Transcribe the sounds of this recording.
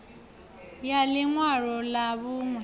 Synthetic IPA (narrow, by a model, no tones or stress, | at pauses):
jaliŋwaɺɔlaβuːŋwɛ